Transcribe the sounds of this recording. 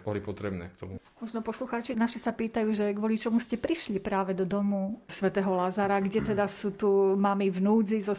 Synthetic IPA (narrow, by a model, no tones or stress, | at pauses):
b̥ɔlipɔt̪ɾɛbnɛ̰k̚t̪ɔmumɔʒnɔpɔsluxaːt͡ʃinaʃisapiːt̪ajuːʒɛɡʋɔlit͡ʃɔmuscɛpɾiʃlipɾaːʋɛd̪ɔd̪ɔmusʋɛt̪ɛːɦɔlazaɾaɡɟɛt̪ɛd̪asuːt̪umamivnuːd͡zizɔ